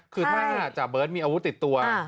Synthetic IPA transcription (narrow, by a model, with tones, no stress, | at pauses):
kʰɯː˧t̪ʰaː˥˩ka˧˩nʔaː˨˩t̪̚t͡ɕa˨˩bɤː˦˥t̪̚miː˧ʔaː˧wu˦˥t̪ːi˨˩t̪ːu˧ɐ